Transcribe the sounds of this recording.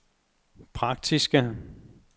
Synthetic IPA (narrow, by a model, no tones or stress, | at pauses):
pʰʁɑ̈ɡ̥̚d̥isɡ̥ə